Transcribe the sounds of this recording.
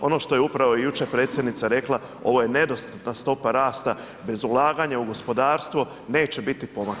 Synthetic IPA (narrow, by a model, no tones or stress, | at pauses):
o̞no̞ʃt̪o̞jeupɾaʋo̞ijut͡ʃe̞pɾe̞ːt̪sjed̪nit̪saɾe̞klˠa | o̞̰ʋo̞je̞ne̞d̪o̞st̪at̪nast̪o̞paɾaːst̪a | be̞zulˠaːɡaɲauɡo̞spo̞d̪aːɾst̪ʋo | ne̞ːt͡ɕe̞bit̪ipo̞mak